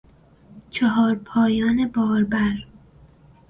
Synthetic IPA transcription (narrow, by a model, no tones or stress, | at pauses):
t͡ʃʰeɦɒːɾpʰɒːjɒːnebɒːɾbæɾ